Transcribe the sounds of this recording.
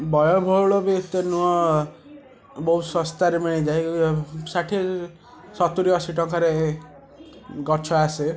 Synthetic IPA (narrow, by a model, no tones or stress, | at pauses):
bɔjɔbʱɔuɭɔbit̪enuɔ | bɔɦusɔst̪aɾemiɭ̃id͡ʒajsaʈʰi | sɔt̪uɾijɔsiʈɔŋkɔɾe | ɡɔɾt͡ʃʰɔase